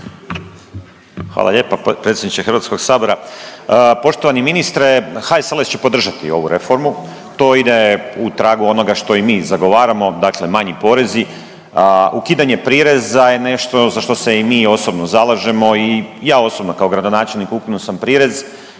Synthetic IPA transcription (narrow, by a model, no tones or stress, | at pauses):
xʋa̰ːlˠa̰ʎe̞ːpapɾet̪sʲjed̪nit͡ʃ̪exɾʋaːt̪sko̞ɡsaːbo̞ɾa | po̞ʃt̪o̞ʋaniminist̪ɾexaeselest͡ɕe̞po̞d̪r̩ʒat̪ḭo̞̰ʋuɾe̞fo̞ɾmu | t̪o̞id̪eut̪ɾaːɡuo̞no̞ɡaʃt̪o̞imiːzaɡo̞ʋaːɾamo̞d̪akle̞maɲipo̞ɾe̞zi | ukiːd̪aɲe̞pɾiːɾe̞zaje̞ne̞ʃt̪o̞zaʃt̪o̞se̞imiːo̞sobnozalˠaʒe̞mo̞ijaːo̞so̞bno̞kaoɡɾad̪o̞naːt͡ʃelˠnikukinusampɾiːɾe̞z